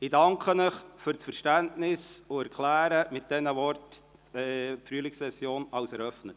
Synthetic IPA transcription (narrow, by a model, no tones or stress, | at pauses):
ɪdɑŋkχənəχfʏɾt͡sfəɾʃtæntnɪsʊæɾkʰlæːɾəmɪt̚d̥ɛnəʋɔrt | ɛpfryəlɪksɛsjoːnɑʊsɛɾœfnət